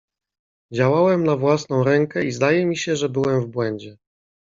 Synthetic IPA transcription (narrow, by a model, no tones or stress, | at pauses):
d͡ʑawawɛmnavwasn̪ɔ̃w̃ɾɛŋkɛizd̪ajɛmʲiɕɛʐɛbɘwɛmvbwɛɲd͡ʑɛ